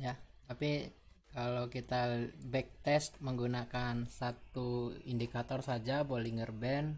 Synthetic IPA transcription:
jat̪api | kalokit̪abɛk̚t̪ɛst̪̚məŋɡunakansat̪uindikat̪ɔrsad͡ʒaboliŋərbɛn

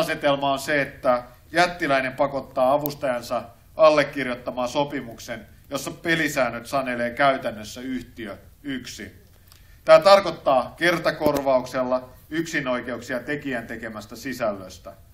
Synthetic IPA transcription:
ɑset̪elmɑonseet̪ːæ | jæt̪ːilæinempɑkot̪ːɑːɑʋust̪ɑjɑnsɑ | ɑlːekːirjot̪ːɑmɑːsopimuksen | josːɑpelisæːnːøt̪sɑneleːkæyt̪ænːøsːæyht̪iøyksi | t̪æːt̪ɑrkot̪ːɑːkert̪ɑkorʋɑukselːɑyksino̞ikeuksiɑt̪ekiænt̪ekemæst̪æsisælːøst̪æ

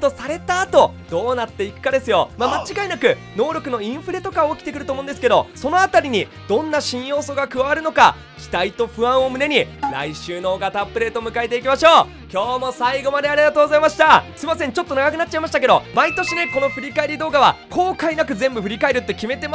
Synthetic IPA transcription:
t̪o̞saɾe̞t̪aːt̪o̞ | d̪̥o̞ːnat̪ːe̞ikɯ̟̥kad̪e̞sɨjo̞̰mamat͡ɕiɡainakɯ̟ | no̞ːɾʲo̞kɯ̟no̞ĩɰ̃ɸɯ̟ɾe̞t̪o̞kaːkʲi̥t̪e̞kɯɾɯ̟omõːnd̪esɨ̥ke̞d̪o̞̰so̞no̞at̪aɾʲiɲ̟i | d̪̥õ̞nːaɕĩɰ̃jo̞ːso̞ːɡakɯ̟βaβaɾɯ̟no̞ka̰ | kʲi̥t̪ait̪o̞ɸɯ̟ãɰ̃omɯ̟ne̞ɲ̟iɾa̰iɕɨːnoːɡat̪apːɯ̟ɾe̞ːt̪o̞mɯ̟kaet̪e̞ikʲimaɕo̞ː | kʲo̞ːmo̞saiɡo̞mad̪e̞aɾʲiɡat̪oːɡo̞zaimaɕi̥t̪ai̥sɨimas̬ẽ̞ɲt͡ɕo̞t̪ːonaɡakɯ̟natt͡ɕ̚ːaimaɕi̥t̪ake̞d̪o̞̰mait̪o̞ɕine̞ko̞no̞ɸɯ̟ɾʲikae̞ɾʲid̪o̞ːɡaβako̞ːkainakɯ̟zẽ̞mbɯ̟ɸɯ̟ɾʲikaeɾɯ̟t̪ːe̞kʲime̞t̪e̞ma

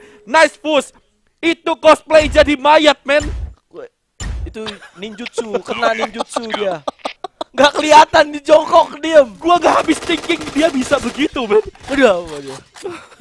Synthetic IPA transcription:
najsfus | it̪ukɔs̚plejd͡ʒadimajat̪̚mɛn | ɛ | it̪uniɲd͡ʒʊt̪̚sukərnaniɲd͡ʒʊt̪̚sudia | ŋɡaʔkəliat̪andid͡ʒɔŋkɔk̚diəmɡuaŋɡaʔɦabɪst̪iŋkɪŋdiabisabəɡit̪ubɛnudahadia

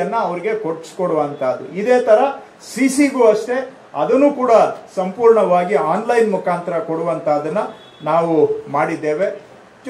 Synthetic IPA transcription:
ɐnːɐːʋɐɾiɡe̞koʈskoɽuʋɐnt̪ʰaːd̪ːuid̪e̞ːt̪ɐɾɐ | sisiɡuːɐʂʈe̞ | ɐd̪ɐnːuːkuːɽɐsɐmpuːɾɳɐʋaːɡiaːnlɐjnmukʰaːnt̪ɐɾɐkoɽuʋɐnt̪ʰaːd̪ɐnːɐ | naːʋumaːɽid̪ːe̞ːʋe̞ | d͡ʒ

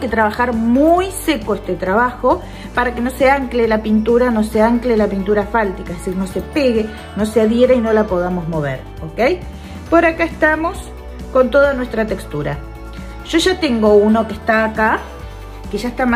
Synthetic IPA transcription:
ket̪ɾaβ̞axaɾmujse̞koest̪et̪ɾaβaxo̞ | paɾake̞no̞seaŋklelapint̪uɾano̞seaŋklelapint̪uɾafalt̪ikaeðesiɾno̞se̞peɣe̞ | no̞seaðjeɾaino̞lapo̞ð̞amo̞zmo̞β̞ḛɾ | okej | po̞ɾakaest̪amo̞s | ko̞nt̪o̞ðanwe̞st̪ɾat̪e̞kst̪uɾa̰ | ʒ̥o̞ʒat̪e̞ŋɡo̞uno̞kest̪aːka | keʒaest̪am

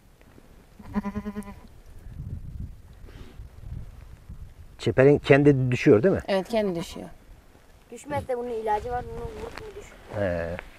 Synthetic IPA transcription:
t͡ʃʰepeɾincʰɛnd̪id̪yʃyjo̞ɾd̪imɪ̰ʔevɛt̪cʰɛnd̪id̪yʃy̰jo̰ɾ | d̪̥yʃmɛt̪lɛbununilʲaːd͡ʒivaɾbununbuɾup̪unid̪yʃ | ɛ

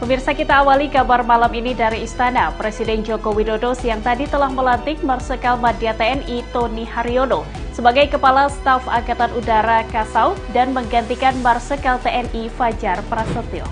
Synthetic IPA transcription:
pəmirsakit̪aːwalikabarmalaminidaɾiːst̪anapɾesidɛnd͡ʒokowidodosəjaŋt̪adit̪əlahməlant̪ɪk̚marsəkalmadiat̪eɛnit̪onihaɾiono | səbaɡajkəpalast̪afa̰ɡat̪anudaɾakasawdanməŋɡant̪ikanmarsəkalt̪eɛnifad͡ʒarpɾasət̪ɪl

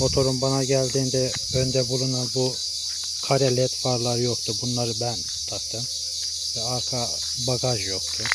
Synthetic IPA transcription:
mo̞t̪ʰo̞ɾunbanaɟælʲd̪iːnd̪ɛ | ø̞nd̪ɛbulˠunanbu | kʰaɾɛlʲɛt̪faɾlˠaɾɯjo̞kt̪ʰubunlˠaɾɯbæn | t̪ʰap̚t̪ʰɯn | vɛakʰa | baɡaʒjo̞xt̪ʰu

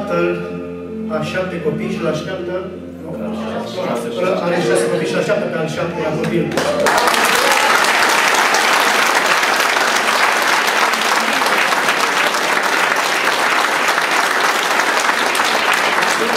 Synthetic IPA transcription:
t̪əl | aʃap̚t̪ːekopijʃilaʃt̪ʲap̚t̪ə | aɾeʃaskopiʃaʃap̚t̪epealʃap̚t̪elakopil

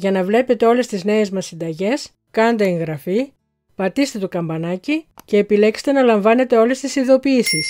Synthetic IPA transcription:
ʝɐnɐvle̞pe̞t̪e̞o̞le̞st̪izne̞ezmɐsːind̪ɐʝe̞s | kɐnd̪ɐeŋɣɾɐfi | pɐt̪ist̪e̞t̪o̞kɐmbɐnɐcice̞ːpile̞kse̥t̪e̞nɐlɐɱvɐne̞t̪e̞o̞le̞st̪isiðo̞piːsis

